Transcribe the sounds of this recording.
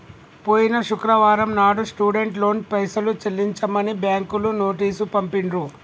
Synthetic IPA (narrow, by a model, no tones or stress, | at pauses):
poːjinɐʃukɾɐʋaːɾɐmnaːɽusʈuːɖeɳʈlo̞ːnpɐjsɐlut͡ʃelːiɲt͡ʃɐmɐnibjaːŋkuluno̞ːʈiːsupɐmpiɳɾu